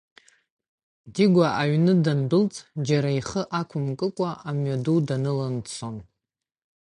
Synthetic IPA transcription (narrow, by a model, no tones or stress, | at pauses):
diɡʷaʔaɥnɨdanbɨlt͡sʼd͡ʒaɾaiχəʔakʷʰʊmkʼɨkʷʼaʔamɥadudanɨlant͡sʰon